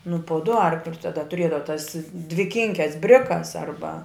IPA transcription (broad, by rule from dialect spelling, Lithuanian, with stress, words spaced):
nʊ pʊ dʊ ˈɐrklʲʊs tɐˈdɐ tʊˈrʲiɛdɐʋɐ tɐs dʲʋʲɪˈkʲɪŋʲkʲɛs ˈbʲrʲɪkɐs ˈɐrbɐ